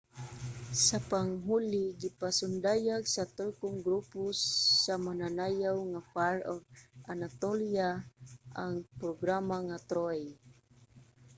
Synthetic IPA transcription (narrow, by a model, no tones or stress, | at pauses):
sapaŋɦulɪɡipasʊnd̪ajaɡsat̪olkʊŋɡɾupʊsːamananajawŋapaɾoɡ̚ʔanat̪oljaʔaŋpɾoɡɾamaŋat̪ɾoj